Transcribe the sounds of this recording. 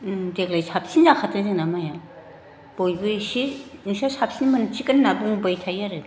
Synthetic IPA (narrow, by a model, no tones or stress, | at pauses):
dek̚lajsʰap̚sinzakʰatʰɯŋzɯŋnamaja | b̥ojbɯsiiŋsasʰap̚sinmɐnɯt͡ʃʰikanːabuŋbajtʰajaɾɯ